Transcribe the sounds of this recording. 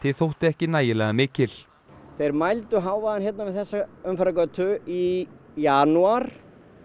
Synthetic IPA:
t̪ʰɪθowht̪ɪɛhcɪnaːjɪlɛːɣamɪːcɪl̥ | θejɾmajlt̪ʏɦaːwvaðançjɛt̪navɪðθɛsːaœmfɾakœt̪ʰʏijanuaɾ̥

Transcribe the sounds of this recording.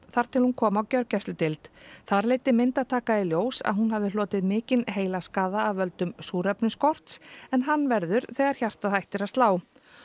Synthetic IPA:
θaɾ̥t̪ʰɪlhunkʰɔːmawcœɾcɛst̪ʏt̪ɪlt̪θaɾleːjt̪ɪmɪnt̪að̥t̪ʰaːkaðɪljoːwsa̰ðɦunhavðɪlɔːt̪ɪðmɪːcɪnɦeːjlaskaːðaːvvœlt̪ʏmsuːɾœpnɪskɔr̥t̪sɛnɦanːvɛɾðʏɾθɛːɣaɾ̥çar̥t̪aðhajht̪ɪɾast̪laːw

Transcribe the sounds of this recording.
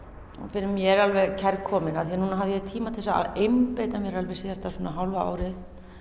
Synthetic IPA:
ṵnfɪɾɪmjɛɾalvɛɣcʰɛɾkʰɔːmɪnaðθianunaɦavðjɛt̪ʰiːmat̪ʰɛsa̰ejmpejt̪amjɛɾalvɛɣsiːast̪ḁsɔːnaɦawlvaa̰ːwɾɪθ

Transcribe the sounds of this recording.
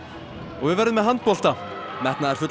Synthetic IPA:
ɔɣvʏðvɛɾðɪmɛðɦant̪̚pɔl̥t̪amɛht̪naɛɾ̥fʏt̪

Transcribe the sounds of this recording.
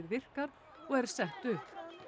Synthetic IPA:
ɾvɪr̥kaɾ | ɔɣɛɾ̥sɛht̪ʏhp

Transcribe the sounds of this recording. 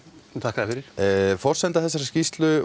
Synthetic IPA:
ht̪ʰakaðɪfɪɾɪɾ̥fɔr̥sɛnt̪aθɛs̬ːaɾscist̪lʏ

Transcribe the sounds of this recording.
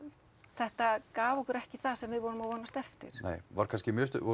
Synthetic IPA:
θɛht̪akaːvɔkʏɾɛhcɪθasɛmvɪðvɔwɾʏmavɔnːast̪ɛft̪ɪ̰ɾ̥nḛːjvaɾkʰanscɪmjʏːst̪ʏɔ

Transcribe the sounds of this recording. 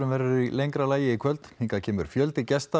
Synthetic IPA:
ʏmvɛɾʏilejŋkɾalaːjɪikʰvœlt̪hiŋkacʰɛːmʏɾ̥fjœlt̪ɪcɛst̪a

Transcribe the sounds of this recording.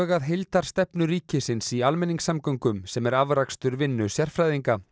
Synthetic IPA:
ɣaðɦɪlt̪aɾ̥st̪ɛpnʏɾiːcɪsɪnsialmɛnːiŋksamkœŋkʏmsɛmɛɾavɾakst̪ʏɾvɪnːʏsjɛr̥fɾajðiŋka

